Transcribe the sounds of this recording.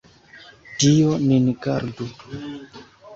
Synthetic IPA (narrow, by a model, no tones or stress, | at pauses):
dijoninɡaɾdu